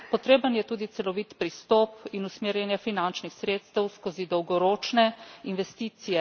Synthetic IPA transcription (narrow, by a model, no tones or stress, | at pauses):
pɔt̪ɾeːbənjɛt̪uːd̪it̪sɛlɔʋit̪pɾist̪ɔːpinusmeːɾjɛnjɛfinant͡ʃnixsɾeːt̪st̪əwskozid̪ɔwɡɔɾoːt͡ʃnɛinʋɛst̪iːt̪sijɛ